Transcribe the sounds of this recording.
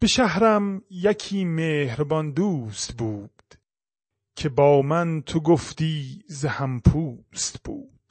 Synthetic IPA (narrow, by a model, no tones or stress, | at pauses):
b̥eʃæhɾæmjækʰiːmeːhɾbɒnd̪uːst̪buːdd̪̥ | kʰebɒːmænt̪ʰoɡoft̪iːzehæmpʰuːst̪b̥ṵːd̪̥